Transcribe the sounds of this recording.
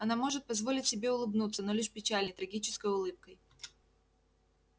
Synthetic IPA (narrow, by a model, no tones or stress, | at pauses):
ɐnamoʐɨt̪̚pɐzvolʲɪtʲsʲɪbʲeʊlˠɨbnut̪sənolʲɪʂpʲɪt͡ɕalʲnəjt̪ɾɐɡʲit͡ɕɪ̥skəjʊlˠɨp̚kəj